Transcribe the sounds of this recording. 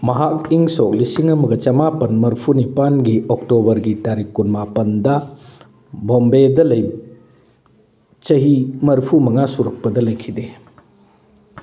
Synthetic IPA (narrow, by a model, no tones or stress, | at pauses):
mɐɦakiŋsok̚lisiŋɐmɐɡɐt͡ʃɐmapɐnmɐɾpʰunipanɡiʔok̚tobɐɾɡitaɾikːunmapɐndɐ | bombedɐlɐj | t͡ʃɐɦimɐɾpʰumɐŋasuɾɐk̚pɐdɐlɐjkʰide